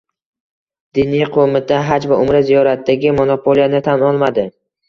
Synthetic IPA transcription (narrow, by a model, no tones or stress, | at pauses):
d̪̥inijqʰomɪt̪ʰaɦad͡ʒvaʊmɾɪzijɒɾat̪ːaɡʲɪmonopʰolˠijanɪt̪ʰanɒlˠmad̪ɪ